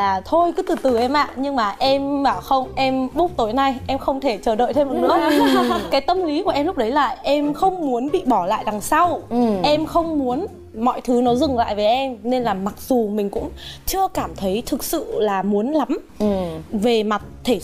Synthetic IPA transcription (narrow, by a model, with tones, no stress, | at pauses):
laː˨˩t̪ʰo˧jkɨ˨˦t̪ɨ˨˩t̪ɨ˨˩ʔɛ˧mʔa̰ː˧˨ɲɨ˧ŋmaː˨˩ʔɛ˧mɓaː˧˩wxə˧wŋ͡mʔɛ˧mɓʊ˦˥k͡p̚t̪o˨˦jna˧jʔɛ˧mxə˧wŋ͡mt̪ʰe˧˩t͡ɕəː˧˩ɗə̰ː˧˨jt̪ʰe˧m˨˩ɨ˧˦˥kaː˨˦jt̪ə˧mli˨˦ku˧˩əʔɛ˧mlʊ˦˥k͡p̚ɗə˨˦jla̰ː˧˨jʔɛ˧mxə˧wŋ͡mmu˨˦ənɓḭ˧˨ɓɔ˧˩la̰ː˧˨jɗa˨˩ŋsa˧wʔɛ˧mxə˧wŋ͡mmu˨˦ən | mɔ̰˧˨jt̪ʰɨ˨˦nɔ˨˦zɨ˨˩ŋla̰ː˧˨jve˨˦jʔɛ˧mne˧nlaː˨˩ma˨˩k̚z̥u˨˩mï˨˩ŋ̟kʊ̰˧˥ŋ͡mt͡ɕɨ˧əkaː˧˩mt̪ʰə˨˦jt̪ʰɨ˨˩k̚sɨ̰˧˨laː˨˩mu˨˦ənla˨˦m | ve˨˩ma˨˩t̚t̪ʰe˧˩